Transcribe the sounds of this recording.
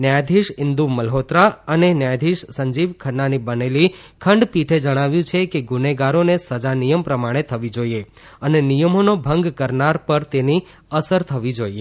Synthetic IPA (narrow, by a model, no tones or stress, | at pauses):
njajd̪ʱiʃɪnd̪uməlɦot̪ɾaənenjajd̪ʱiʃsəɲd͡ʒiʋkʰənːanibəneli | kʰəɳɖpiʈʰed͡ʒəɽ̃aʋjũt͡ʃʰekeɡuneɡaɾonesəd͡ʒanijəmpɾəmaɽ̃et̪ʰəʋid͡ʒoie | ənenijəmonobʱə̃ŋɡkəɾnaɾpəɾt̪eni | əsəɾt̪ʰəʋid͡ʒoie